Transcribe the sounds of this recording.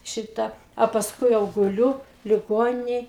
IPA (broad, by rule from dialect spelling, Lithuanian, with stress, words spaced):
ˈʃʲɪtɐ ɐ pɐsˈkʊɪ jɛʊ ɡʊˈlʲʊ lʲɪˈɡoːnʲɪnʲɛj